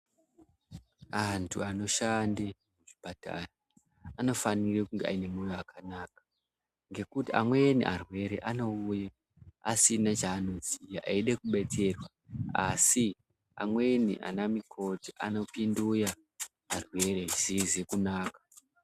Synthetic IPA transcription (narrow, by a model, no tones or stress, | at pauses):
antʰuano̞ʃande | muʐipata̰no | ano̞fanirekuŋɡea̰ine̞mujoakʰanaːkḁ | ŋɡe̞kutia̰mwe̞nḭʔarwe̞ɾḛʔano̞uja | asinat͡ʃaːno̞zijaʔaiɗekuɓe̞te̞rwa | asi | a̰mwe̞nḭʔa̰namikʰo̞tiʔa̰no̞pinduja | arwe̞ɾeʐizize̞kunaːkḁ